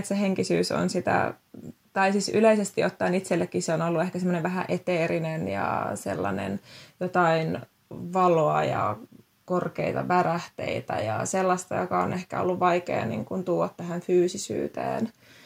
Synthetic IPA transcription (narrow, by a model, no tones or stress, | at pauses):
et̪seheŋkisyːso̰nsit̪æ̰t̪ɑisisyleisest̪iot̪ːɑːnit̪selːekːiseonolːuehkæsemːoneʋʋæɦæ̰ʔet̪eːɾinenjɑ̰sḛlːɑnḛnjot̪ɑin | ʋɑloɑjɑ | korkeit̪ɑʋæræht̪ḛit̪æ̰jɑselːɑst̪ɑjokɑonʔehkæ̰o̰lːuʋʋɑikḛːnḭŋkunt̪uːɑt̪t̪æhæɱfyːsisy̰ːt̪ḛːn